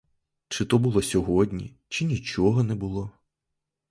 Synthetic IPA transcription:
t͡ʃɪt̪ɔbulˠɔsʲɔɦɔdʲnʲḭ | t͡ʃɪnʲit͡ʃɔɦɔnɛbʊlˠɔ

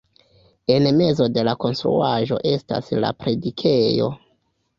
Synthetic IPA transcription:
e̞nme̞zo̞de̞lako̞nstɾṵaʒo̞̰ʔe̞sta̰sla̰pɾe̞dikʰe̞jo̞̰

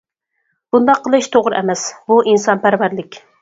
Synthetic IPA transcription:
b̥und̪ɑqʰːəlˠɨʃt̪ʰoʁɾɨɛmɛsbuʔinsɑnpæɾvæɾlɪkʲ

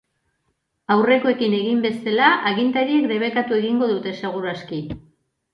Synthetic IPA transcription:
awre̞ko̞e̞kine̞ɣimbe̞selaʔaɣint̪aɾiekd̪e̞β̞e̞kat̪ue̞ɣiŋɡo̞ðut̪e̞seɣ̞uɾaski

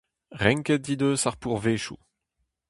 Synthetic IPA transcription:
ʁɛ̃ŋkɛt̚d̪id̪øːsaʁpuʁveːʃṵ

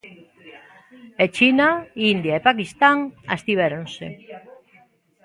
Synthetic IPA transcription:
et͡ʃinaind̪jaepakist̪aŋa̰st̪iβ̞eɾonse

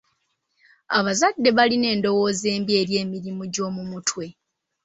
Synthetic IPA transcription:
aβazadːe̞βaline̞ːndo̞wo̞ze̞ːmbje̞ːɾje̞ːmiɾimuɟo̞ːmumutwe̞

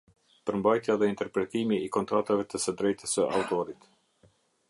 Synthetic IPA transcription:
pəɾmbajt̪jaðɛint̪ɛɾpɾɛt̪imiːkɔnt̪ɾat̪avɛt̪əsəd̪ɾɛjt̪əsəʔa̰ut̪ɔɾit̪

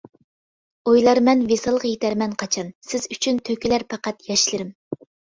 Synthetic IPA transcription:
ojlˠɑɾmɛnvesɑlˠəqjet̪ʰæɾmɛnqʰɑt͡ʃʰɑnsɪzyt͡ʃʰynt̪ʰøkʲilæɾpʰɑqɑt̪jɑʃlɨɾɪm

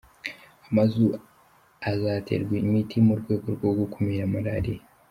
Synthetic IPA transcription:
amazu | azaːtʰḛɾɡwimitʰimoɾɡwe̞ːɡoɾɡwoɡukumiɾamaɾaɾi

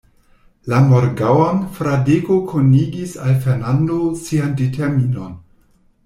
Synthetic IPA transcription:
lamoɾɡawanfɾadeɡokʰoniɡisalfeɾnandosiandetʰeɾmino̞n

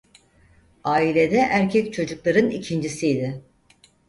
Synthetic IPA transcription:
aːilʲe̞d̪ɛʔæɾcʰɛct͡ʃʰo̞d͡ʒuklˠaɾɯnicʰind͡ʒisijd̪ɪ

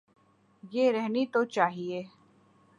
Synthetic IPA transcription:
jeɾɛɦnit̪ot͡ʃaːɦieː

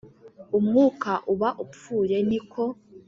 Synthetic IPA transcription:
umŋuːkaʔuβaʔufuːɾe̞nikʰo̞

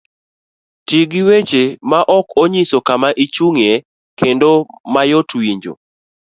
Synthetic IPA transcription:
tiɡɪwet͡ʃemaʔɔkoɲisokamaʔit͡ʃuŋe | kendomajotwiɲd͡ʒo̰

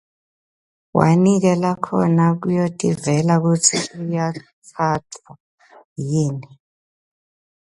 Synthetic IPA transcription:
wʔa̰nik̬ɛlakʰɔ̰nak̬ujotʼivɛlak̬ut͡sʰikuja | t͡sʰatʰwa | jiːnɛ

